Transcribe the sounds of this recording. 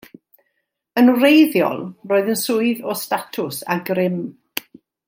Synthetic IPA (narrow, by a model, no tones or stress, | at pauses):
ənwrejðjɔ̰lˠroːɨðənsʊːɨðɔstatʰʊsa̰ɡrɪm